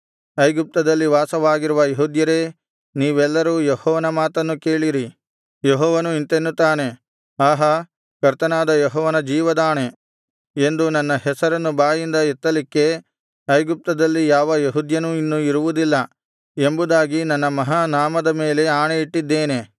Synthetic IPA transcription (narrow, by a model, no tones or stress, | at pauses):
ɐjɡup̚t̪ɐd̪ɐlːiʋaːsɐʋaːɡiɾuʋɐjeɦud̪jɐɾe̞ː | niːʋɛlːɐɾuːjehɔːʋɐnɐmaːt̪ɐnːuke̞ːɭiɾi | jeɦɔːʋɐnuint̪enːut̪ːaːne̞ | aːɦɐ | kɐɾt̪ɐnaːd̪ɐjɔɦɔːʋɐnɐd͡ʒiːʋɐd̪aːɳe̞ | e̞nd̪unɐnːɐɦɛsɐɾɐnːubaːjind̪ɐet̪ːɐlikːe̞ | ɐjɡup̚t̪ɐd̪ɐlːijaːʋɐjeɦud̪jɐnuinːuiɾuʋud̪ilːɐ | e̞mbud̪aːɡinɐnːɐmɐɦaːnaːmɐd̪ɐme̞ːle̞aːɳeiʈːid̪ːe̞ːne̞